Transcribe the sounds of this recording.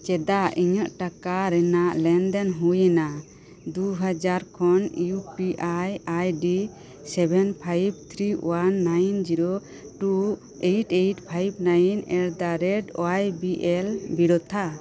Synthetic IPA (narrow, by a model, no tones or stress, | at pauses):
t͡ʃɛd̪aʔiɲəʔʈakaɾɛnaʔlɛnd̪ɛnɦujɛna | d̪uɦad͡ʒaɾkʰɔnjupiʔajajɖi | sɛbʱɛnpʰajb̚t̪ʰɾiwanːajnd͡ʒiɾo | ʈu | eʈejʈpʰajb̚najnɛɽd̪aɾɛɖo̰ajbiʔɛlbiɽɔt̪ʰa